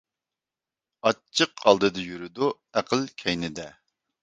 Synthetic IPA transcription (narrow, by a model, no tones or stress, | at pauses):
ɑt͡ʃʰːəqʰɑlˠd̪ɨd̪ɨjyɾɪd̪u | æqʰəlkʲʰɛjnɪd̪ɛ